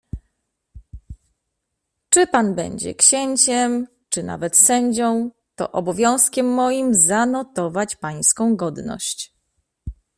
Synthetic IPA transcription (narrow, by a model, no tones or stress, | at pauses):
t͡ʂɘpanbɛ̰ɲd͡ʑɛ̰kɕeɲt͡ɕɛm | t͡ʂɘna̰vɛt̪sɛɲd͡ʑɔ̃w̃ | t̪ɔ̰ʔɔbɔvʲjɔ̃w̃skʲɛmːɔjimzanɔt̪ɔvat͡ɕpaj̃skɔ̃w̃ɡɔd̪nɔ̰ɕt͡ɕ